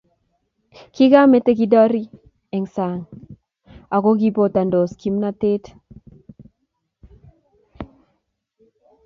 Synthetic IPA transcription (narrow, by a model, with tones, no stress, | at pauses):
ki˦ɡa˦me˦te˦ki˦dɔ˦ɾi˦ | ɛ˨ŋsa˨ŋ | a˨ko˦ɡi˦po˦˨ta˨ndo˨ski˦mna˦te˦t